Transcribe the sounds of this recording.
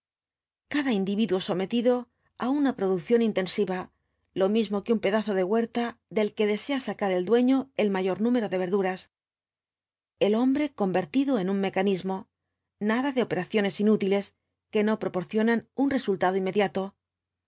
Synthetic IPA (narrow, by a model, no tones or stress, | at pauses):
kaðaind̪iβiðwo̞so̞me̞t̪iðo̞ | aunapɾo̞ðukθjo̞nint̪e̞nsiβa | lo̞mizmo̞keumpe̞ðaθo̞ðe̞ɣwe̞ɾt̪aðe̞lke̞ðe̞se̞asakaɾe̞ld̪we̞ɲo̞e̞lmaʝo̞ɾnũme̞ɾo̞ðe̞β̞e̞ɾðuɾas | e̞lo̞mbɾe̞ko̞mbe̞ɾt̪iðoe̞nunme̞kanizmo̞ | naðaðe̞o̞pe̞ɾaθjo̞ne̞sinut̪ile̞s | ke̞no̞pɾo̞po̞ɾθjo̞nanunre̞sult̪aðoinmːe̞ðjat̪o̞